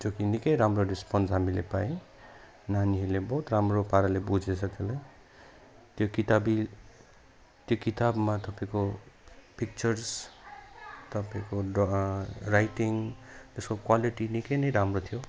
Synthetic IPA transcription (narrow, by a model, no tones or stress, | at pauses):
d͡zokinikʌjɾamrorispʌnsɦamilepaẽ | naniɦʌlebʌɦut̪ramropaɾalebud͡zesʰʌkʰelaj | t̪jokit̪abi | t̪jokit̪abmat̪ʌpaĩko | pʰik̚t͡sʌrs | t̪ʌpãĩko | rajʈiŋt̪eskokwaliʈinikʌjnʌjɾamrot̪ʰijo